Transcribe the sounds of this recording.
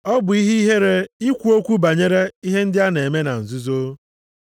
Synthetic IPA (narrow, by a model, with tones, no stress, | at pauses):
ɔ˦bʊ˨i˦ɦi˦i˦ɦe˦ɾe˦i˦kʷu˨˦o˦kʷu˦ba˨ɲe˦ɾe˦i˦ɦe˦n̩˦dɪ˦a˦ne˨me˦na˨n̩˨zu˦zo˦